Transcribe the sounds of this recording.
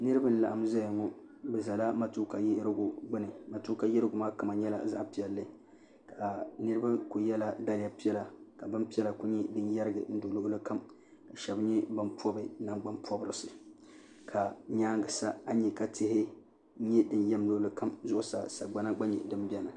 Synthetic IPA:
nɨ˦ɾɨ˦ba˦n̩˦˨la˨ha˦m˦za˦jŋɔ˦bɛ˨za˨la˦ma˨tu˦ka˨ji˦ɾɡu˨ɡ͡bɨ˦nɨ˨ma˨tu˦ka˨jɪ˦ɾɨ˦ɡʊ˨maː˦ka˨ma˨ɲɛ˦la̰˨za̰˦ʔpi˨ɛ˨lːɨ˦ | ka˨nɨ˦ɾɨ˦ba˦ku˨jɛ˦la˨da˦lɪ˨ja˨pi˦ɛ˦la˨ka˨bɨ˦mpi˦ɛ˦la˨ku˦ɲɛ˦dɨ˦njɛ˦ɾɨ˦ɡɨ̰˨n̩˦do˨lo˦ʔlɨ˦ka˦m | ka˨ʃɛ˨bɲɛ˦bɨ˦npʰɔ˦bɨ˨na˦ŋɡ͡ba˦mpʰɔ˦bɾɨ˨sɨ˨ | kʰa˨ɲaː˦ŋɡɨ˨sa˦a˦ɲɛ˨ka˦tɪ˦ɦɪ˦ | ɲɛ˦dɨ˦njɛ˦mlo˦ʔlɨ˦ka˦mzʊ˦ʔʊ˦sa̰˨sa˨ɡ͡ba˦na˦ɡ͡ba˦ɲɛ̰˨dɨ˦m˦bi˦ɛ˦na˨

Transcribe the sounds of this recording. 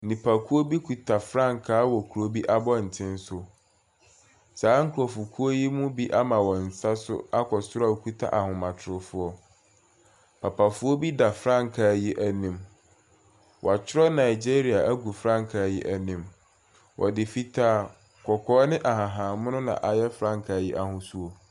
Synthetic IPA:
nĩ˨pʰa˨kʰu˦o˦bi˦kʰu˨tʰa˨fɾã˦ŋ˨kʰaː˨˦wɔ˨kʰu˨ɾo˦bi˦ʔa˦bɔ˦n̩˨tʰɪ̃˦n˦sʊ˦ | saː˨˦ŋ̩˦kʰu˨ɔ˨fu˨kʰu˦o˦ji˦mũ˦bi˦ʔa˦mã˨wɔ̃˨n̩˨sa˦sʊ̰˦a˦kʰɔ˨sʊ˦ɾa˨kʰu˦tʰa̰˦ʔa˨hʊ̃˨mã˨tʰʊ˨ɾʊ˨fʊ˦ɔ˦ | pʰa˨pʰa˨fʊ˦ɔ˦bi˦da˨fɾã˦˨ŋ˨kʰaː˨ji˦ʔæ˦nĩ˨m | wɔ˨a˨t͡ɕʰɪ˦ɾɔ˦nã˨i˨d͡ʑe˦ɾi˨a˨ʔæ˦ɡu˨fɾã˦˨ŋ˨kʰa˨ji˦ʔæ˨nĩ˨m | wʔɔ̰˨dɪ˨fi˦tʰaː˦˨ | kʰɔ˨kʰɔː˦nɪ̃˦ʔa˨ɦã˨ɦãː˨mʊ̃˦nʊ̃˦nã̰˨ʔa˨jɛ˦fɾã˦˨ŋ˨kʰa˨ji˦ʔa˦hʊ̃˦su˦o˨

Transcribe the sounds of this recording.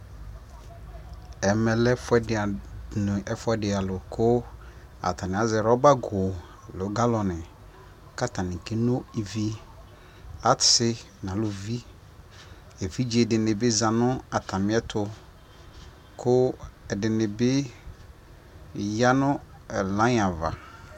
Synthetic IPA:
ɛ˨mɛ˨lɛ˦fʊ˦ɛ˦dɪ˨a˨nʊ˨ʔɛ˨fʊ˦ɛ˦dɪ˨a˨lʊ˨kʰʊ˦ | a̰˨tʰa˨nɪ̃˨a˨˦zɛ˨ɾɔ˦ba˦ɡʊ˨ | lʊ˨˦ɡa˦lɔ˨nɪ̃˨ | ka˦ta˨nɪ̃˨ke˦nõ˦i˨vi˦ | a˦ɪ˦ | nã˨lʊ˨vi˦ | e˨fi˦d͡ʒi˦˨ɛ˨dɪ˨nɪ̃˨bɪ˦za˨nʊ̃˦a˨tʰa˨mɪ̃˦ɛ˦tʰʊ˨ | kʰʊ˦ɛ˨dɪ˨nɪ̃˨bɪ˦ | ja˦nʊ̃˦ | ɛ˨lã˦ɲ˦ã˨va̰˨

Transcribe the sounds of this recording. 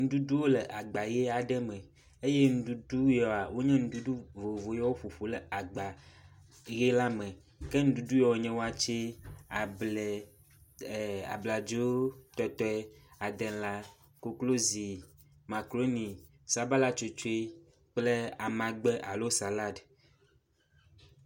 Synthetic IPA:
ŋũ˦du˦du˦wo˦lɛ˨ʔa˨ɡ͡ba˨jɛ˦a˨ɖɛ˦mɛ̃˨ | e˦je˦ŋũ˦du˦du˦jɔ˨a˨wo˦ɲɛ̃˦ŋũ˦du˦du˦vo˨vo˨jɛ˦wo˦ɸu˨ɸu˨lɛ˨a˨ɡ͡ba˨ | je˦la˦mɛ̃˨ | kɛ˦ŋũ˦du˦du˦jɔ˨wɔ˨ɲɛ̃˦wo˦a˦t͡ʃe˦a˨blɛ˨ | a̰˨bla˨d͡ʒo˦t̪ɔ˨˦t̪ɔ˦a˨d̪ɛ˨nla˦ | ko˨klo˦zi˨ | mã˨klo˦nĩ˨ | sa˦ba˦la˦t͡ʃo˨t͡ʃo˦e˦ | k͡plɛ˦a˨mã˨ɡ͡bɛ˦ʔa˨lo˦sa˨la˦d

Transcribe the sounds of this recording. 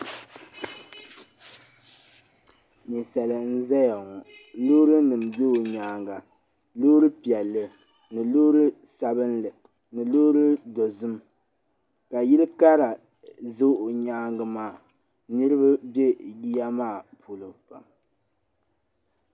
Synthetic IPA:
ni˨sa˨lɨ˨n̩˦zɛ˦ja˨ŋɔ˨lo˦ɾɨ˦nɨ˨mbo˦o˨ɲaː˨ŋɡa˨ | loː˦ɾɨ˦pi˨ɛ˨lːɨ˨ | nɨ˨loː˦ɾɨ˦ | sa˦bɨ˦nlɨ˨ | nɨ˨loː˦ɾɨ˦do˨zɨ˦m | ka˨ji˦lɨ˦ka˦ɾa˨ | zo˦ʔo˨ɲaː˦ŋɡɨ˨maː˨ | nɨ˦ɾɨ˦ba˦bje˦ji˦ja˦maː˦˨pʰu˨lɨ˨pa̰˨m

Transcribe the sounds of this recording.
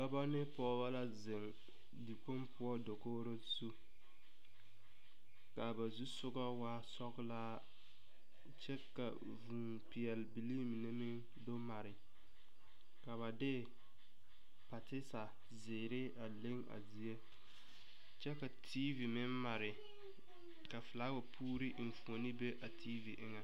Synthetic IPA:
ba˦ba˦nɪ˦pɔː˦ba˦la˦zɪ˨ŋ | di˨k͡po˦mpʰʊ˦ɔ˦do˨koː˦ɾo˦zu˦ | ka˨ba˨zu˦sʊ˦ɡa˦wa˦sɔ˦ɡlaː˦ | t͡ʃɛ˦ka̰˨ | vuː˨ | pɪ˨jɛ˨lbi˨liː˦m˨nɪ˦mɪ˦ŋ | do˦ma˨ɾɪ˨ | ka˨βa˨dɪ˦ | pa˨tɪ˦sa˨ | zɪː˨ɾɪ˦ | a˨le˦ŋa̰˨zi˨e˦ | t͡ʃɛ˦ka˨tʰi˦vi˨mɪ˦mma˨ɾɪ˨ | ka˨fɪ˨laː˦wa˨pʰuː˦ɾi˦ʔɱ̩˨fu˨o˨nɪ˦be˦ʔa˨tʰi˦vi˨ʔɪ˦ŋa˨

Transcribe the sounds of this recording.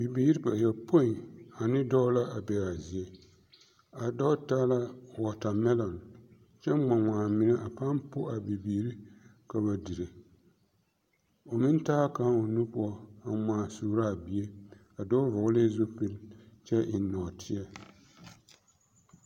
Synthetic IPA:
bi˨biː˨˦ɾi˦pa˨jɛ˨pʰo˦i˨a˨nɨ˦dɔ˦la˦a˨bɛ˨ɾa˨zi˨e˨ | a˨dɔ˦ta˦la˦˨wa˨ta˨mɛ˦lɔ˨n˨ | t͡ʃɛ˦ma˨ŋaː˨mi˦na˦ʔa˨pa˦mpo˦ʔa˨bi˨biː˨ɾi˦ | ka˨ba˨dɨ˨ɾɨ˨ | o˨mɨ˦n˦taː˦ka˦o˨nu˦pu˦ɔ˦a˨maː˨suː˨ɾa˦˨bi˨e˦ | a˨dɔ˦vɔ˨ɡle˦zo˦pɨ˦lt͡ʃɛ˦ʔi˨˦nɔ˨tʰɪ˦a˦

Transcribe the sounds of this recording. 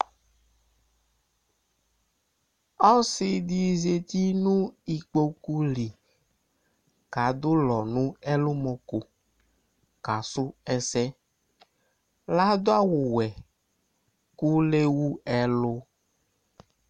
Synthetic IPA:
ɔ˦si˨di˨ze˨t̪i˦nũ˦i˨k͡po˦ku˦li˨ | ka˨d̪o˦lɔ˨nũ˦ɛ˦lo˦mɔ̃˨ko˨ | ka˨sʊ˦ɛ˦sɛ˦ | la˦d̪o˦a˦wo˨wɛ˨ | ku˦le˦wu˦ɛ˦lo˦

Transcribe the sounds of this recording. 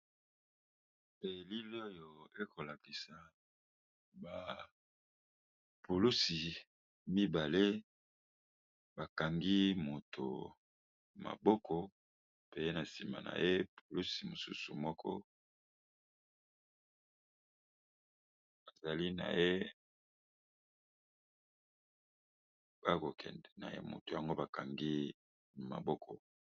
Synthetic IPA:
pe˨li˦li˦o˦jo˨e˦ko˨la˨ki˨sa˨ | ba˨ | pu˨lu˦si˨ | mi˦ba˨le˦ | ba˨ka˨ŋɡi˦mo˨tʰo̰˨ | ma̰˨bɔ˦kʰɔ˨ | pe˨je˦na˨si˨ma̰˨na̰˨je˦pʰo˨lu˦si˨mo˨su˦su˨mɔ˦kʰɔ̰˦ | a˨za˨li˦na̰˨je˦ | b̥a˦ko˨kʰɛ̰˨ndɛ˨na̰˨jḛ˦mo̰˨to˨ja˨ŋɡo˦ba˨ka˨ŋɡi˦˨ | ma̰˨bɔ˦kʰɔ˨

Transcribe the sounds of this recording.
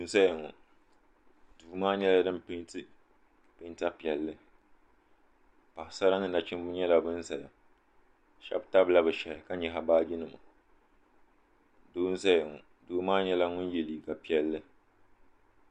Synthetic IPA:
du˨n̩˦sa˦jɪ˨ŋɔ̰˨ | d̥uː˨maː˦ɲɛ˦la˦dɨ˦mpɪ˦tɨ˦ | pɪ˦n˦ta˦pi˨ɛ˨lːɨ˦ | pa˨ɪ˨sa˦ɾa˦nɨ˨na˨t͡ʃɪ˦mbʊ˦ɲɛ˦la˨bɨ˦n˦sa˨ja˨ | ʃɛ̰˦bta˦bla˦bɨ˨ʃɛ˨ɾɨ˨ka˦ɲɛ˨ɦa˨baː˦d͡ʒi˦nɨ˨ma˨ | doː˦n˦sa˦jɪ˨ŋɔ˨ | duː˨maː˦ɲɛ˦la˦ŋʊ˦njɛ˨liː˨ka˨pi˨ɛ˨lːɨ˦

